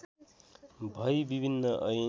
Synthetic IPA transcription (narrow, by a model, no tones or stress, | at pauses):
bʱʌjbibʱinːʌʔʌj